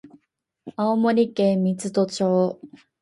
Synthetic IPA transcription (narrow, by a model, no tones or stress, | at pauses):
aomoɾʲikẽmʲit͡sɨt̪ot͡ɕoː